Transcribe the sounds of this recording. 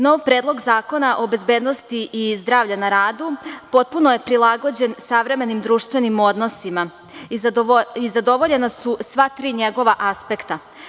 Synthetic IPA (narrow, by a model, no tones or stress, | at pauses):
no̞ʋpɾe̞ːd̪lˠo̞ɡzaːko̞naʔo̞be̞zbe̞ːd̪no̞st̪iʔizd̪ɾaːʋʎanaɾaːd̪upo̞t̪̚punoje̞pɾilˠaɡo̞d͡ʑe̞nsaʋɾe̞me̞nimd̪ɾuːʃt̪ʋe̞nimo̞d̪no̞sima | izad̪o̞ʋo̞ʎe̞nasusʋat̪ɾiːɲe̞ɡo̞ʋaʔaspe̞kt̪a